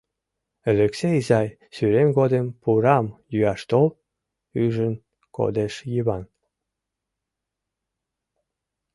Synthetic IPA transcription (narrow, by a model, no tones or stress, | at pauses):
əlĕkseizɑj | syɾemɡod̪empuɾɑmjyɑʃt̪ol | yʒən | ko̰d̪eʃjiβɑn